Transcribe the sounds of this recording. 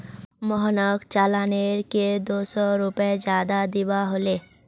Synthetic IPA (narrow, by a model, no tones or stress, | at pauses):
mɔɦnəkt͡ʃaːlaːneɾked̪oːsɔɾʊped͡ʒjaːd̪ad̪ɪbaɦoleː